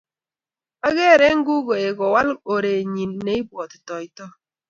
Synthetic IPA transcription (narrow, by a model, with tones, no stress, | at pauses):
a˦ɣe˦˨ɾe˦ŋ̩˦ɡu˦ɡo˨e˨ɡɔ˨wa˦lo˨ɾe˨ɲi˨nː˦e˦i˦bwɔ˨tɪ̥˨tɔ˨ɪ˨tɔ˦